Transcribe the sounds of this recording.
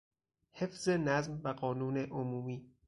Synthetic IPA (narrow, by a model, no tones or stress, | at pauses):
he̞fz̥enæzmvæɢɒːnuːneʔomuːmiː